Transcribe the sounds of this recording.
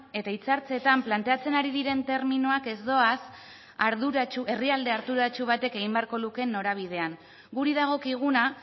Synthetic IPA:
e̞t̪ait͡saɾt͡se̞t̪amplant̪e̞at͡se̞naɾiðiɾe̞nt̪e̞ɾminuake̞zd̪o̞as | aɾðuɾat͡ʃuʔe̞riald̪e̞aɾt̪uɾat͡ʃuβ̞at̪e̞ke̞ɣ̞imbe̞aɾko̞luke̞nːo̞ɾaβ̞iðe̞aŋ | ɡuɾiðaɣ̞o̞kiɣuna

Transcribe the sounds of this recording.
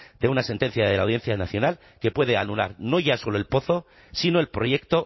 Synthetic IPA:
d̪̥e̞unase̞nt̪e̞n̟θjaðe̞la̰wðje̞n̟θjanaθjo̞nal | ke̞pwe̞ðeanula̰ɾno̞ʝaso̞lo̞e̞lpo̞θo̞ | sino̞e̞lpɾo̞ʝe̞kt̪o̞

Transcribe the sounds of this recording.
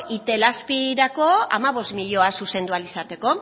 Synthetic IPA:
ʔit̪e̞laspiɾako̞a̰maβ̞o̞st̪miʎo̞asuse̞nd̪ualisat̪e̞ko̞

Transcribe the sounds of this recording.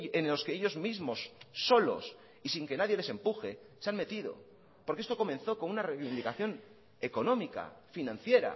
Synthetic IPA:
enlo̞skeeʎo̞zmizmo̞sːo̞lo̞̰s | isiŋke̞naðje̞le̞se̞mpuxe̞ | seanme̞t̪iðo̞̰ | poɾkeest̪o̞ko̞mẽ̞nθo̞ko̞nunarejβind̪ikaθjo̞n | e̞ko̞nõ̞mika̰finãnθje̞ɾa̰

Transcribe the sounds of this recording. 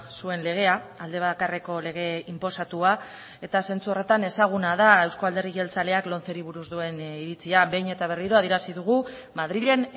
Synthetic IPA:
sue̞nle̞ɣ̞e̞aald̪e̞βakareko̞le̞ɣ̞e̞impo̞sat̪ua | e̞t̪ase̞nt͡suo̞re̞t̪ane̞saɣ̞unað̞ae̞wskoald̪e̞riɣelt͡sale̞aklo̞nθe̞ɾiβuɾuzd̪ue̞niɾit͡siabe̞jɲe̞t̪aβ̞e̞riɾo̞að̞ieɾasiðuɣ̞u | maðɾiʎe̞n

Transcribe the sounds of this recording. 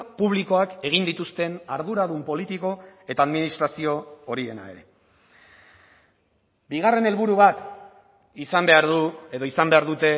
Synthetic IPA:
puβ̞liko̞ake̞ɣ̞ind̪it̪ust̪e̞naɾðuɾaðumpo̞lit̪iko̞e̞t̪aːðminist̪ɾasio̞ːɾie̞na̰e̞̰ɾe̞̰ | biɣ̞are̞ne̞lβuɾuβat̪ | isambe̞aɾðue̞ðo̞isambe̞aɾðut̪e̞

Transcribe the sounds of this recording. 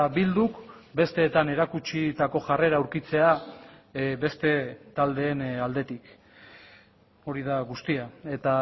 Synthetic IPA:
bild̪uk | be̞st̪e̞ːt̪ane̞ɾakut͡ʃit̪ako̞ʝare̞ɾauwɾkit͡se̞a | be̞st̪e̞t̪ald̪e̞ːnald̪e̞t̪ik | o̞ɾið̞aɣust̪iae̞t̪a

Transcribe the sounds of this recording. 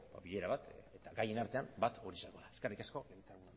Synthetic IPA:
ba̰βiɣe̞ɾaβat̪et̪aɡaje̞naɾt̪e̞ambat̪oɾisako̞ðaeskerikasko̞ɡelit͡saɣuna

